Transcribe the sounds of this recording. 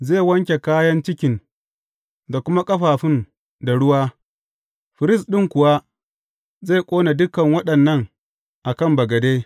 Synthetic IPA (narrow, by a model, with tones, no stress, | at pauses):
zeː˦˨wɐ˦ŋkʲe˨kaː˦jɐ˦nt͡ʃɪ˦kʲɪ˨n | da˨kʷʊ˦ma˦kʼɐ˦ɸaː˨ɸɪ˦n | da˨ɽʊ˦waː˦ | ɸɪ˨ɾɪ˦sɗɪ˦ŋkʷʊ˨wa˦ | ze˦˨kʷʼoː˦na˨dʊ˦kɐ˨ŋwɐ˦ɗɐ˨nːɐ˦˨ŋ | ʔa˨kɐ˦˨mbɐ˨ɡɐ˨deː˦